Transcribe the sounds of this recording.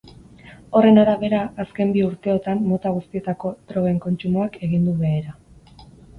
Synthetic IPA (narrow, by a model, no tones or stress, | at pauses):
o̞re̞naɾaβe̞ɾaːske̞mbiuɾt̪e̞o̞t̪amːo̞t̪aɣ̞ust̪ie̞t̪ako̞t̪ɾo̞ɣe̞ŋko̞nt͡ʃumoake̞ɣ̞ind̪uβe̞ːɾa